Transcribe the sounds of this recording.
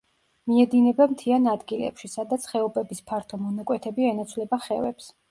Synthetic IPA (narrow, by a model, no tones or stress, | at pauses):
miɛd̪inɛbamt̪ʰianad̪ɡilɛ̰pʃisad̪at̪sʰχɛɔbɛbispʰaɾt̪ʰɔmɔnakʼwɛt̪ʰɛbiɛnat̪sʰvlɛbaχɛvɛ̰ps